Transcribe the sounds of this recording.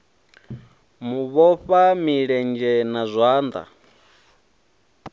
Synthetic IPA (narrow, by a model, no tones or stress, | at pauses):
muβɔɸamiɺɛnd͡ʒɛnazʷaːnd̪a̰